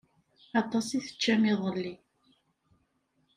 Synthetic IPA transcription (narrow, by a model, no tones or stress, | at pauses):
ɑt̪ˤːɑsiθə̥t͡ʃːæmiðˤəlːi